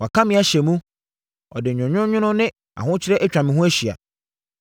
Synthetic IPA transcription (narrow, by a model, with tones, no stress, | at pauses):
wa˨kʰã˦mɪ̃˦a˦ɕɛ˨mũ˦ | ɔ̰˨dɪ˨ɲᶣʊ̃˨ɲᶣʊ̃˦ɲᶣʊ̃˦nʊ̃˦nɪ̃˦ | a̰˨ɦʊ̃˦t͡ɕʰɪ˦ɾɛ˦ʔæ˦t͡ɕᶣa˨mɪ̃˨ɦʊ̃˦æ˦ɕi˨a̰˨